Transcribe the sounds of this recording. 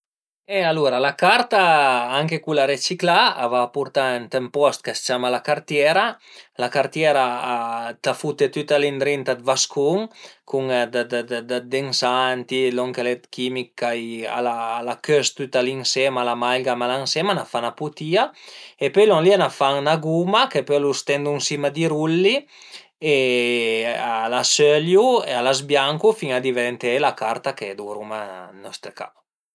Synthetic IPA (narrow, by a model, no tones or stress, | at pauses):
ealuɾalakaɾt̪aaŋkekulaɾet͡ʃiklaa̰vaːpuɾt̪aɛnt̪empɔst̪̚kast͡ʃamalakaɾt̪jɛɾalakaɾt̪jɛɾaat̪afut̪et̪yt̪alind̪ɾint̪ad̪vaskʰuŋkʰuŋd̪d̪d̪d̪ad̪eŋsant̪ilɔŋkelɛt̪kimikːaja̰laːlakøst̪yt̪aliŋsɛmalamajɡamalaŋsɛmanafanaput̪iaepœjlɔŋlianafaŋnaɡumakepølust̪ɛnd̪uŋsimad̪iɾulːi | e | alasøljuḛalazbjaŋkufiŋad̪iveɾɛnt̪elakaɾt̪aked̪uɾumanɔst̪ɾeka̰